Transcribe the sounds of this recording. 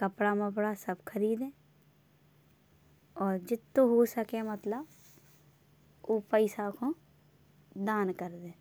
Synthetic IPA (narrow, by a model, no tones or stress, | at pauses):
kəpɽaməpɽasəbkʰəɾiːd̪ẽː | ɔːɾd͡ʒɪt̪ːõɦosəkemət̪ləb | oːpəɪsakõ | d̪aːnkəɾd̪ẽː